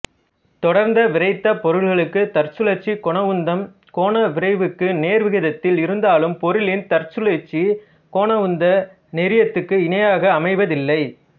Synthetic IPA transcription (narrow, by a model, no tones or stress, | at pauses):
t̪ɔɽɐɾnd̪ɐʋɪɾɐɪt̪ːɐpɔɾɯɭɣɐɭɯkːɯt̪ɐɾt͡ʃɯlɐt͡ʃːikɔɳɐɯnd̪ɐm | koːɳɐʋɪɾɐɪʋɯkːɯneːɾʋɪɣɪðɐt̪ːɪlɪɾɯnd̪aːlɯmpɔɾɯlɪnt̪ɐɾt͡ʃɯlɐt͡ʃːi | koːɳɐʋɯnd̪ɐ | nɛɾɪjɐt̪ːɯkːɯɪnɐjaːɣɐːmɐɪʋɐðɪlːɐɪ